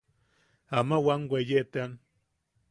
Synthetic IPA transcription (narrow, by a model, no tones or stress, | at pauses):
amawaŋwʷejet̪ean